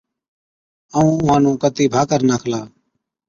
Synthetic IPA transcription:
əũːʊɦãːnũːkət̪iːbʱaːkəɾnaːkʰlaː

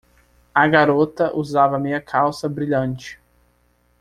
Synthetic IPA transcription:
aɡaɾot̪ɐʔuzavɐmẽɐkʰawsɐbɾiʎɐ̃nt͡ʃɪ̥

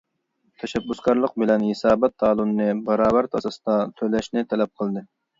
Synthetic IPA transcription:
t̪ʰɛʃɛbːuskɑɾlˠəq̚bɪlɛnhɪsɑːbɛt̪ʰːɑːlˠunːɨbɑɾɑːbæɾt̪ʰɑsɑsd̪ɑt̪ʰølɛʃnɪt̪ʰɛlɛp̚qʰəlˠd̪ɨ

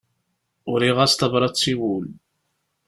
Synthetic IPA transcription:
ʊɾiʁæst̪ɑvɾˤɑt͡sːiwul

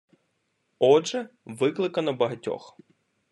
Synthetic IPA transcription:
ɔʒɛʋɪklˠɪkɐnɐbɐɦɐtʲɔ̰x

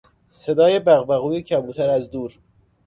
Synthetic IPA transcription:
se̞d̪ɒːjebæɣbæɣuːjecʰæbuːt̪ʰæɾæzd̪uːɾ

